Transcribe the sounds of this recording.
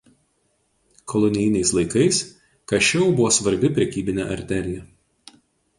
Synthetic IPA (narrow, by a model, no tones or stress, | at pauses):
kʰɔlˠɔnʲɪjnʲɛɪslˠɐɪkɐɪs | kɐʃʲɛʊbʊʋoːsʋɐɾʲbʲɪpʲɾʲɛkʲiːbʲɪnʲɛ̰ːʔɐ̰ɾʲt̪ʲɛɾʲɪjɛ